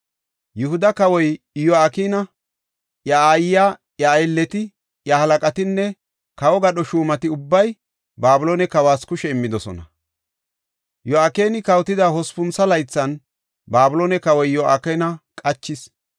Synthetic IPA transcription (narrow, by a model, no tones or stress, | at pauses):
jʊhʊd̪ɐkɐwɔj | jɔaːkiːnɐ | jɐaːjja | jɐːjlːɛt̪ɪ | jɐhɐlɐkʼɐt̪ɪnːɛ | kɐwɔɡɐɗɔʃuːmɐt̪ɪʊbːɐj | baːbʊloːnɛkɐwaːskʊʃɛɪmːɪd̪ɔsɔ̰nɐ | jɔaːke̞ːnɪkɐwt̪ɪd̪aɦɔspʊnsɐlɐjt͡sːɐn | baːbʊlonɛkɐwɔjjɔaːkɛnɐkʼɐt͡ʃːɪs